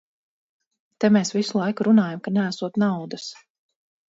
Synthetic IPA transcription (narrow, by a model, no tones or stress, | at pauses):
t̪ɛmeːsvisulˠajkuɾunaːjamkanææsuɔt̪nawd̪as